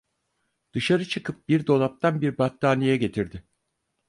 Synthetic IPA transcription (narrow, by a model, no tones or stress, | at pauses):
d̪̥ɯʃaɾɯt͡ʃʰɯkʰɯp̚biɾd̪o̞lˠap̚t̪ʰanbiɾbat̪d̪aːnijɛɟe̞t̪ʰiɾd̪ɪ